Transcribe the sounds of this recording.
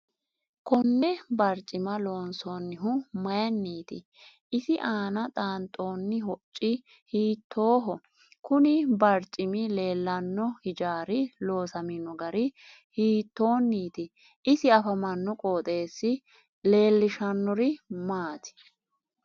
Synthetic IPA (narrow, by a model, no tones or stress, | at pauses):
kɔnːɛbɐɾt͡ʃʼɪmɐlo̞ːnsoːnːɪɦʊmɐjɐnːiːt̪ɪ̰ | ʔɪsɪʔaːnɐt̪ʼaːnt̪ʼːo̞ːnːɪɦɔt͡ʃʼːɪ | hiːt̪ʰːo̞ːɦɔ | kʊnɪbɐɾt͡ʃʼːɪmɪle̞ːlːɐnːɔhɪd͡ʒaːɾɪlo̞ːsɐmɪnɔɡɐɾɪ | hiːt̪ːo̞ːnːiːt̪ɪ | ɪsɪɐfɐmɐnːɔkʼoːt̪ʼe̞ːsːɪ | le̞ːlːɪʃɐnːɔɾɪmaːt̪ɪ̥